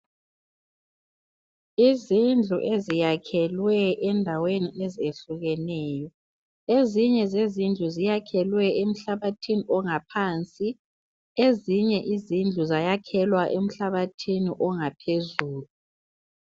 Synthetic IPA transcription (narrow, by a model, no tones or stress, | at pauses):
izind͡ɮʱṵʔezijakʰɛlwɛɛndʱaweniʔezieɬuɣɛnɛːjɔ | eziɲɛzezind͡ɮʱuzijakʰɛlwɛem̩ɬaβatʰiniʔɔŋapʰant͡sʼi | eziɲɛʔizind͡ɮʱuzajakʰɛlwaʔem̩ɬaβatʰinḭʔɔŋapʰezuːlu